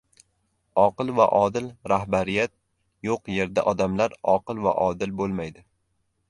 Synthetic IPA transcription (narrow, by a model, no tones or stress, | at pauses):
ɒqɨlˠva̰ʔɒd̪ɪlɾahbaɾɪjat̪̚ | joqje̞ɾd̪a̰ʔɒd̪amlaɾɒqɨlˠva̰ʔɒd̪ɪlbolˠmajd̪ɪ